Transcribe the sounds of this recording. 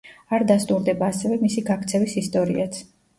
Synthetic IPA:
aɾd̪ast̪ʼuɾd̪ɛbaːsɛvɛmisiɡakʰt̪sʰɛvisist̪ʼɔɾḭat̪sʰ

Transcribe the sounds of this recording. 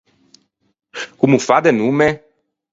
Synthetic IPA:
kumufad̪enũmɛ

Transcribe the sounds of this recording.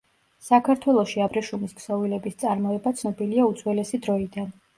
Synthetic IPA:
sakʰaɾt̪ʰwɛlˠɔʃiabɾɛʃumisksɔvilɛbist̪sʼaɾmɔɛbat̪sʰnɔbiliaut̪sʰwɛlɛsid̪ɾɔid̪an

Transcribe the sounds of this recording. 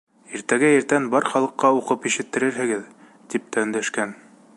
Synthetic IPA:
iɾt̪æɡæjɘ̆ɾt̪ænbɑɾχɑlˠɤ̆qːɑuqɤpiʃɘ̆t̪ːɘ̆ɾɘɾɦɘ̆ɡɘð | t̪ip̚t̪ænlæʃkæn

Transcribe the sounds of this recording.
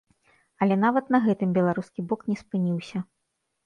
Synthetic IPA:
ɐlʲɛn̪avɐt̪nɐɣɛt̪ɨmbʲɛlˠaɾuskʲibɔknʲɛspɨnʲiwsʲɐ

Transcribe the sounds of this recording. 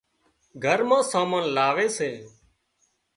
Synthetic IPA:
ɡʱəɾmãːsaːmãːnlaːʋeːseː

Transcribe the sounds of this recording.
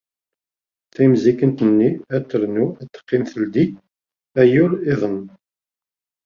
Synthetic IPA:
θæmzikənt̪ənːiæt̪ːəɾnuæt̪ːə̥qːɪnθəld̪i | æjʊɾɪðˤən

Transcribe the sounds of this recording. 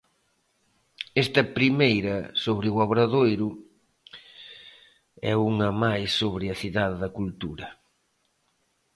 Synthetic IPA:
ɛst̪ɐpɾimejɾɐsoβɾɪuaβɾɐðojɾʊ | ɛuŋɐmajsːoβɾɪɐθiðaðɪðɐkult̪uɾɐ

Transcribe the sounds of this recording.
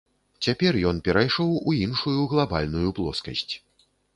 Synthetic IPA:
t͡sʲapʲɛrjɔnpʲɛɾajʂɔwuinʂujuɣlˠabalʲnujuplˠɔ̰skɐsʲt͡sʲ

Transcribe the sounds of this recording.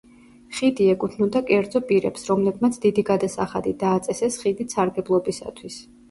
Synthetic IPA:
χid̪iɛkʼut̪ʰnud̪akʼɛɾd̪zɔpʼiɾɛ̰psɾɔmlɛbmat̪sʰd̪id̪iɡad̪asaχa̰d̪id̪aːt̪sʼɛsɛsχid̪isʰaɾɡɛblˠɔbisa̰t̪ʰwis

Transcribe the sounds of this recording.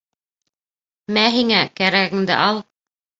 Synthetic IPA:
mæɦiŋækæɾæɡɘ̆ŋd̪ɘ̰ʔɑlˠ

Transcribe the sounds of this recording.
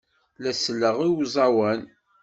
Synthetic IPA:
læsəlːəʁiwzˤɑwæn

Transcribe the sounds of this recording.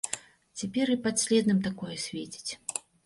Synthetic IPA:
t͡sʲapʲɛɾɨpat̪sʲlʲɛd̪nɨmt̪akɔjɛsʲvʲet͡sʲi̥t͡sʲ

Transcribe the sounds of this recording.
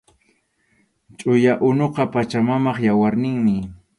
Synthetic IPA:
t͡ʃʼʊjaʔʊnoqɑpat͡ʃamamɑχjawaɾnɪŋmɪ

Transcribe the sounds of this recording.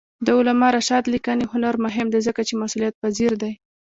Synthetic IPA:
d̪əʊlamɑɾaʃɑd̪likaneɦʊnaɾmʊɦɪmd̪azəkat͡ʃemasulijat̪̚paziɾd̪aj

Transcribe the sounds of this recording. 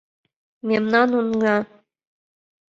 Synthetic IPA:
mʲemnɑnunɡɑ

